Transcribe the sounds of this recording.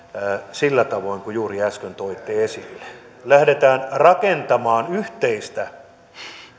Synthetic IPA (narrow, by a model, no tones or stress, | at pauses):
silːæt̪ɑʋoiŋkujuːriæskønt̪oit̪ːˑeːesilːe̥ | læhdet̪æːnrɑkent̪ɑmɑːnyht̪eist̪æ